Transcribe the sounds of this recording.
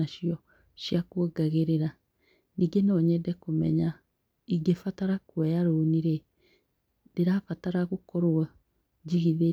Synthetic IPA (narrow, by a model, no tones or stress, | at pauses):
aʃiɔ | ɕjakwɔɡaɣeɾeɾa | niːɡenɔɲɛdɛkomɛ̰ɲa | iɡefataɾakwɛjaɾoniɾe | deɾafataɾaɣokɔɾoa | d͡ʒiɣiðe